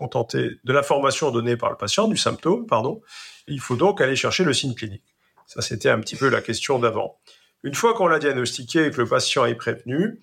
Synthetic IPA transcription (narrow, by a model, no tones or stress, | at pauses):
kɔ̃t̪ɑ̃t̪ed̪əlɛ̃fɔʁmasjɔ̃d̪ɔnepa̰ʁlə̰pasjɑ̃d̪ysɛ̃p̚t̪ompaʁd̪ɔ̃ilfod̪ɔ̃kaleʃɛʁʃeləsiɲklinik | saset̪ɛɛ̰̃pət̪ʰipøla̰kʲɛst̪jɔ̃d̪avɑ̰̃ | ynfwakɔ̃lad̪jaɡnɔst̪ikʲekələpasjɑ̃ɛpχevny